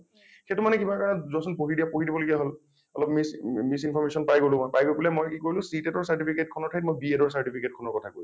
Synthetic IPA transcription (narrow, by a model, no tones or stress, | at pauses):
xetumanɛkibakaɹnɔzɔsɔnpoɦidijapoɦidibɔloɡiaɦol | ɔlɔpmismisinpʰɔɹmesɔnpajɡolʊ̃kɔpajɡoɹbulɛmojkikoɹilʊ̃sitɛtɔɹsaɹtipʰiketkʰɔnɔɹtʰajtmojbiedɔɹsaɹtipʰiket̚kʰɔnɔɹkɔtʰakoɹs